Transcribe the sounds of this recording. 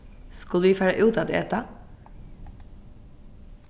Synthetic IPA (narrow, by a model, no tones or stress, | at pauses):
skɑlʋiːfæːɹə̰ʔʉːt̪ɑːd̪ḛt̪ɑ